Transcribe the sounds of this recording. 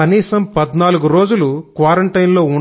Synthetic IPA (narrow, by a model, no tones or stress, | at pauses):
ɐniːsɐmpɐd̪naːluɡuɾo̞ːd͡ʒulukʋaːɾɐɳʈɐjnlo̞ːuɳ